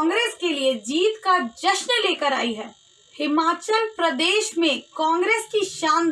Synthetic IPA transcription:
ŋɡɾeːskelied͡ʒiːt̪kad͡ʒɐʃnleːkəɾa̰ːiɦɛː | hɪmaːt͡ʃəlpɾɐd̪eːʃmẽkãːŋɡɾeːskiʃaːn

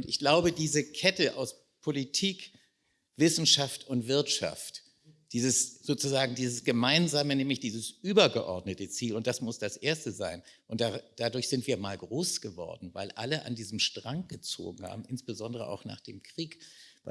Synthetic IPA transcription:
ʔʊntɪçɡ̥laʊbədiːzəkʰɛtəʔaʊs | pʰolitʰiːk | v̥ɪsn̩ʃaftʊntv̥ɪɐtʃa̰ft | d̥iːzəsz̥oːt͡suzaːɡŋ̩diːzəsɡ̥əmaɪnzaːmənɛːmlɪçd̥iːzəsʔyːbɐɡəʔɔɐdnətət͡siːlʊnt̚d̥asmʊsd̥asʔeːɐstəzaɪnʔʊnt̚d̥ad̥adʊɐçz̥ɪntv̥iːɐmaːlɡʁoːsɡ̥əvɔ̰ɐdn̩vaɪlʔa̰ləʔa̰ndiːzm̩ʃtʁ̥aŋk̚ɡ̥ət͡so̰ːɡŋ̩ha̰ːbm̩ʔɪnsb̥əzɔndəʁə̰ʔa̰ʊxna̰ːχd̥ḛːmkʁ̥iːkv

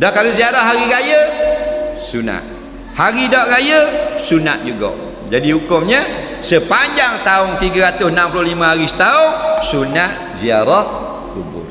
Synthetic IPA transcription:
dɔʔkaloziaɾahɦaɾiɡajə | suna̰t̪̚ | haɾidɔʔɡajəsuna̰ʔ̪̚d͡ʒuɡɔ̰ʔ | d͡ʒadiɦukʊmɲə | səpaɲd͡ʒaŋt̪aʊŋt̪iɡəɾat̪ʊsənampulʊhliməhaɾisə̥t̪aʊŋsunat̪ | zia̰ɾɔh | kṵbʊ̰r

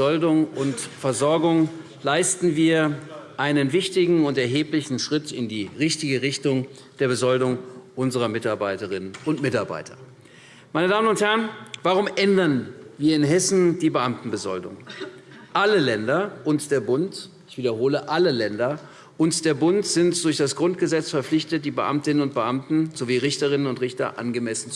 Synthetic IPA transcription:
ɔldʊŋʊntfɛɐzɔɐɡʊŋ | laɪstn̩viːɐʔaɪnənvɪçtɪɡŋ̩ʊntɛɐɦeːplɪçn̩ʃʁ̥ɪtɪndiːʁɪçtɪɡəʁɪçtʊŋ | d̥eːɐbəzɔldʊŋʔʊnzəʁɐmɪtaɐbaɪtəʁ̞ɪnənʊntmɪtaɐba̰ɪtʰɐ | maɪnədaːmənʊnthɛɐənvaːʁ̞ʊmʔɛndɐnviːɐɪnɦɛsn̩d̥iːbəʔamtn̩bəzɔ̰ldʊ̰ŋ | ʔaləlɛndɐʔʊntd̥eːɐbʊntʔɪçv̥iːdɐhoːləʔaləlɛndɐ | ʔʊntd̥eːɐbʊntz̥ɪntd̥ʊɐçd̥asɡ̥ʁʊntɡ̥əzɛt͡sfɛɐflɪçtət̚d̥iːbəʔa̰mtɪnənʊnt̚b̥əʔamtn̩z̥oviːʁɪçtəʁɪnənʊntʁɪçtɐ̰ʔa̰nɡəmɛsn̩t͡s

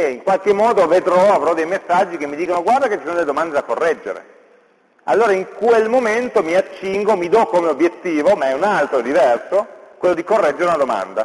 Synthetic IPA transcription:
eiŋkwalkemːɔːd̪oved̪ɾɔavɾɔd̪ejmesːad͡ʒːikemːid̪iːkonoɡward̪aket͡ʃːisoːnod̪eled̪omand̪ed̪akorːɛd͡ʒːḛɾḛ | a̰lːoːɾaiŋkwelmoment̪omiat͡ʃːiŋɡomid̪ɔkːomeobjet̪ːiːvomaɛunalt̪ɾod̪ivɛrsokwelːod̪ikorːɛd͡ʒːeɾeunad̪oma̰nd̪a

